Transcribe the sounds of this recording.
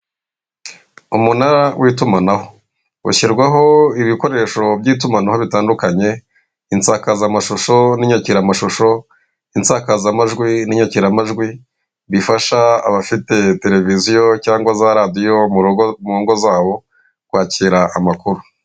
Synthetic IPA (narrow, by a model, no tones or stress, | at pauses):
umunaɾawʔiːtumanaho̞̥ | ṵçiɾɡwaɦo̞iβiko̞ɾe̞ʃo̞bɟiːt̬umanaho̞βitaːndukaɲe̞ | int͡saːkazamaʃoʃo̞niɲaciɾamaʃoʃo̞ | int͡saːkazamaʒɡwiniɲaciɾamaʒɡwi | βifaʃaa̰βafite̞te̞ɾe̞vizijo̞caːŋɡwazaɾadijo̞mumuɾoːŋɡo̞zaːβo̞ | kwaːciːɾaʔːmakuɾu